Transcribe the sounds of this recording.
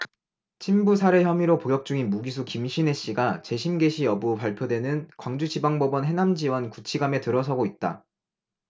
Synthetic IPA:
t͡ɕʰimbusʰaɾe̞çjʌmiɾopoɡjʌk̚t͡ɕ͈uŋinmuɡis̬ʰukimɕʰine̞ɕ͈iɡat͡ɕe̞ɕʰimɡe̞ɕʰiʌbupaɭpʰjodwe̞nɯnkwaŋd͡ʑud͡ʑibaŋbʌbʌnɦe̞namd͡ʑiwʌnkut͡ɕʰiɡame̞tɯɾʌsʰʌɡoit̚t͈a̰

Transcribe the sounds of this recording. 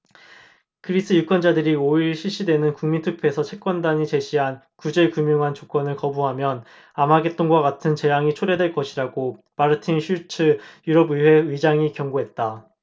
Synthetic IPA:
kɯɾis͈ʰɯjuk͈wʌnd͡ʑadɯɾioiɭɕʰiɭɕ͈idwe̞nɯnkuŋmintʰɯk̚pʰesʰʌt͡ɕʰe̞k͈̚wʌndaɲit͡ɕe̞ɕʰiɦan | kud͡ʑe̞kumjoŋɦant͡ɕok͈wʌnɯɭkʌbuɦamjʌn | amaɡe̞t͈̚ʌnɡwakatʰɯnt͡ɕe̞jaŋit͡ɕʰoɾe̞dweɭk͈ʌɕʰiɾaɡo | maɾɯtʰinɕʰut͡ɕʰɯjuɾʌbɯwe̞ɯid͡ʑaŋikjʌŋɡoɦe̞t̚t͈a

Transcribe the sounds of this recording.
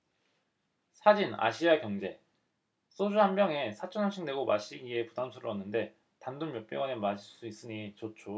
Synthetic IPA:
sʰad͡ʑina̰ɕʰiakjʌŋd͡ʑe̞ | s͈od͡ʑuɦanbjʌŋe̞sʰat͡ɕʰʌnɦaɕ͈ʰiŋdwe̞ɡomaɕ͈iie̞pudamsʰuɾɯʌnːɯnde̞ | tandunmjʌp͈eɡwanɯmaɕʰiɭs͈uis͈ɯɲit͡ɕot͡ɕʰo

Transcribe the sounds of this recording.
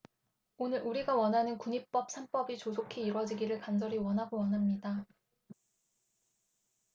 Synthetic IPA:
onɯɾʔuɾiɡawʌnɦanɯnkuɲip̚p͈ʌp̚sʰanp͈ʌbit͡ɕosʰokʰeiɾwʌd͡ʑiɡiɾɯɭkand͡ʑʌɾiwʌnɦaɡowʌnɦamɲida

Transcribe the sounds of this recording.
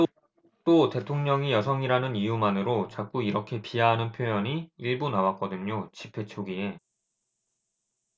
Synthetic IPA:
t͈ote̞tʰoŋɲʌŋijʌsʰʌŋiɾanɯnijumanɯɾot͡ɕak͈uiɾʌkʰe̞piaɦanɯnpʰjojʌɲiiɭbunawak͈ʌdɯɲot͡ɕipʰe̞t͡ɕʰoɡie̞

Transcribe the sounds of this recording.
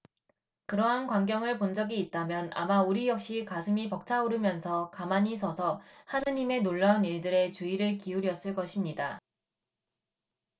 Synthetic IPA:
kɯɾʌɦankwaŋɡjʌŋɯɭpond͡ʑʌɡiːt̚t͈amjʌna̰mauɾijʌk̚ɕ͈ikasʰɯmipʌk̚t͡ɕʰauɾɯmjʌnsʰʌkamaɲisʰʌsʰʌhad͡ʑaɲime̞noɭːaaniɭdɯɾe̞t͡ɕuiɾɯɭkiuɾjʌs͈ɯɭk͈ʌɕʰimɲida

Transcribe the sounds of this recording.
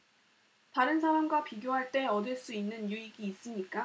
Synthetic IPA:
taɾɯnsʰaɾamɡwapiɡjoɦaɭt͈e̞ʌdɯɭs͈uinːɯnjuiɡiːs͈ɯmɲik͈a

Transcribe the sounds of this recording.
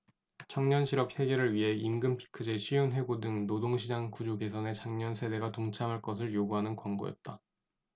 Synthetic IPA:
t͡ɕʰʌŋɲʌnɕʰiɾʌp̚he̞ɡe̞ɾɯɭɥiɦe̞imɡɯmpʰi̥kʰɯd͡ʑeɕʰijonɦe̞ɡodɯŋnodoŋɕʰid͡ʑaŋkud͡ʑoɡe̞sʰʌne̞t͡ɕaŋɲʌnsʰe̞de̞ɡatoŋt͡ɕʰamɦaɭk͈ʌsʰɯɭjoɡuɦanɯnkwaŋɡo̰jʌ̰t̚t͈a

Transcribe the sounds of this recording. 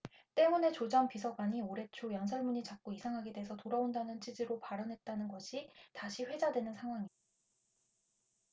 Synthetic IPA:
t͈e̞mune̞t͡ɕod͡ʑʌmpisʰʌɡwaɲioɾe̞t͡ɕʰojʌnsʰʌɭmuɲit͡ɕap̚k͈oisʰaŋɦaɡede̞ɦesʰʌtoɾaondanɯnt͡ɕʰid͡ʑiɾopaɾʌnɦe̞t̚t͈anɯnɡʌɕʰitaɕʰiɸwe̞d͡ʑadwe̞nɯnsʰaŋɦwaŋi

